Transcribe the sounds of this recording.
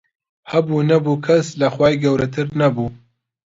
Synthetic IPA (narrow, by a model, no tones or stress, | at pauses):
hɐbuːnɐbuːkʰɐslɐxwaːjɡɐwɾɐt̪ʰɨɾnɐbuː